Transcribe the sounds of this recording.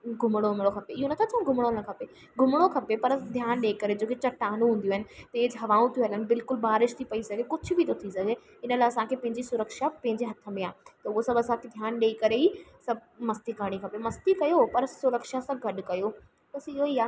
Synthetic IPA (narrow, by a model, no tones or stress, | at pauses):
ɡʱʊmɽ̃omɪɽ̃okʰɐpeɪɦonɐt̪ʰat͡ɕʰɐũɡʱʊmɽ̃onɐkʰɐpe | ɡʱʊmɽ̃okʰɐpepɐɾd̪ʱjaːnɗeikɐɾed͡ʑoːket͡ɕɐʈaːnũɦũːn̆d̪iuːɦɪnɪ̆t̪eːd͡ʑɦɐʋaːũt̪ʰijuɦɐlənɪ̆bɪlkʊlbaːɾɪʃt̪ʰipɐisɐɡʱekʊd͡ʑʱʊ̆bit̪ot̪ʰisɐɡʱe | ɪnəlaːsãkʰepɐ̃ɦɪ̃ɲd͡ʑisʊɾəkʃapɐ̃ɦɪ̃ɲd͡ʑeɦɐt̪ʰəmejãːt̪ɐʊɦosɐbɐsãːkʰed̪ʱjaːnɗeːikɐɾeiːsɐbmɐst̪iɡʱɐɽ̃ikʰɐpemɐst̪ikɐjopɐɾsʊɾəkʃasãɡʱɐɗkɐjo | bɐsɪɦoiːaː